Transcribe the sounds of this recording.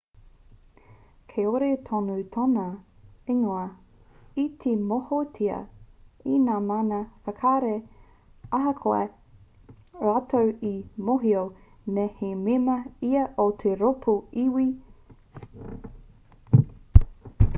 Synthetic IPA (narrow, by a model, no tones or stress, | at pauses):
kʰeoɾet̪ʰonut̪ʰonɐeŋoɐ | it̪ʰemohotʰiɐ̰inaːmanɐfɐkʰaɾe | ɐɦɐkʰoḛ | ɾatʰowimoɦio | nehememɐiɐʔot̪ʰeɾopʰuiwi